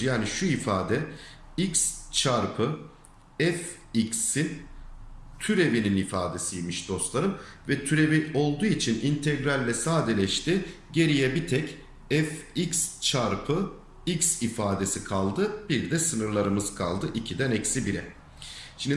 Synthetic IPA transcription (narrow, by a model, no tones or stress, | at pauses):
jaːniʃuifaːd̪ɛikst͡ʃʰaɾpʰɯ | ɛf | icsin | t̪ʰyɾe̞vininifa̰ːd̪e̞sijimiʃd̪̥o̞st̪lˠaɾɯm | vɛt̪ʰyɾe̞vio̞lˠd̪uːit͡ʃʰinʔint̪ʰɛɡɾalʲːɛsaːd̪elʲɛʃt̪ɪ | ɟe̞ɾijɛbit̪ʰɛc | ɛficst͡ʃʰaɾpʰɯ | icsifaːd̪e̞sikʰalˠd̪ɯb̥iɾd̪ɛsɯnɯɾlˠaɾɯmɯzkʰa̰lˠd̪ɯʔicʰid̪ænɛcsibiɾɛ | ʃind̪